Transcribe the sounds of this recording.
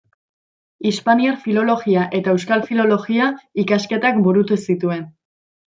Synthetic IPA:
ispaniaɾfilo̞lo̞ɣiaʔe̞t̪ae̞wskalfilo̞lo̞ɣiaikaske̞t̪akbuɾut̪usit̪ue̞n

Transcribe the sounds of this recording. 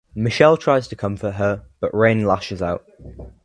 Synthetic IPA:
mɪʃɛlˠtʰɹ̥aɪz̥tʰəkʰʌ̃ɱfəʔɦəb̥ʌʔɹẽɪ̃nlaʃɪzaʊʔ

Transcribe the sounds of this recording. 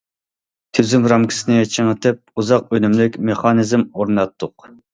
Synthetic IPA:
t̪ʰyzymɾɑmkʲʰi̥sɪnɪt͡ʃʰeŋət̪ʰɪp̚uzɑq̚ønymlɪkʲmeχɑnizmoɾnɑt̪ʰːʊq

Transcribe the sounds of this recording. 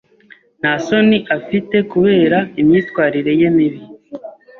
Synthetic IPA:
naso̞niʔafite̞kuβe̞ːɾaimɲiːtwaːɾiɾe̞je̞miβi

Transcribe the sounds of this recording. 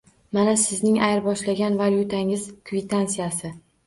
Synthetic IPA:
manasɪznɪŋʔajɾbɒʃlaɡʲanvaljut̪ʰaɪŋɪz̥kʰvɪt̪ʰansijasɪ

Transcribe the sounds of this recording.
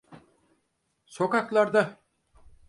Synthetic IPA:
sokɑklˠɑɾd̪ɑ

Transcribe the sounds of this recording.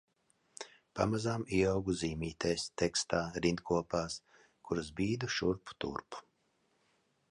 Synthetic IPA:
pamazamiɛawɡuziːmʲiːt̪ɛjst̪ɛkst̪aːɾind̪kʰuɔpaːs | kʰuɾɨzbiːd̪uʃuɾpu̥t̪ṵɾpu̥

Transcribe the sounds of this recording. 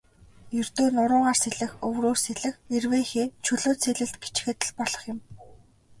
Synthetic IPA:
jɵr̥t̪oːnʊɾʊːʁaːrseɮɘ̆xɵwroːrseɮɘ̆xerweːxeːt͡ɕʰɵɮoːt͡sʰeɮɘ̆ɬt̪ɡit͡ɕxĕt̪ɘ̆ɮpɔɮɞ̆χjʊ̆m

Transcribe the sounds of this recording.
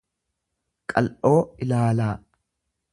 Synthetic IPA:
kʼɐlʔo̞ːɪlaːlaː

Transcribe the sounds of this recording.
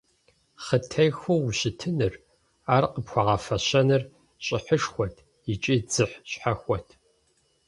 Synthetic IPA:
χətʰɐjxʷowuɕɪtʰɨnɨr | aːrqəpxʷaʁɐfɐɕɐnɨr | ɕʼɪħəʂxʷɔtʰ | it͡ʃʼid͡zɨħɕħaxʷɔtʰ

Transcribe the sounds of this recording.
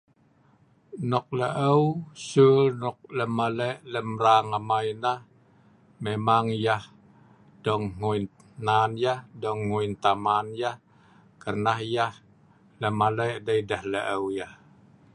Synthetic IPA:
nɔk̚ləʔəwsulnɔk̚ləmaləʔləmraŋamainah | memaŋjah | dɔŋŋuin | nanjahdɔŋːuint̪amanjah | kərnahjah | ləmaləʔdəidəhləʔəwjah

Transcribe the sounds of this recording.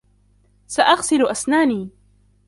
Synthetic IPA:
saʔaɣsɪlʔasnaːniː

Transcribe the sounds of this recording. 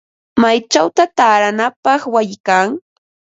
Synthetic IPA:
majt͡ʃawt̪at̪aːɾanapɑχwajɪkaŋ

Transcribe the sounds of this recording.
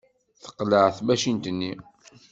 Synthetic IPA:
θə̥qːləʕθbæʃint̪ənːi

